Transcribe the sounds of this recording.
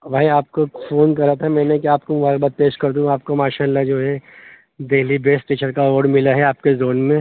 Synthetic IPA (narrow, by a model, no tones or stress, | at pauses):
ʋaːiaːp̚kofoːnkɐɾat̪ʰamɛ̃ːnekiaːp̚komʊbaːɾək̚bat̪̚peːʃkɐɾd̪uũaːp̚komaːʃaːlːad͡ʒoːɦɛ | d̪eɦlibeːsʈʈeːt͡ʃəɾkaoːɖmɪlaɦɛaːp̚kezoːnmẽ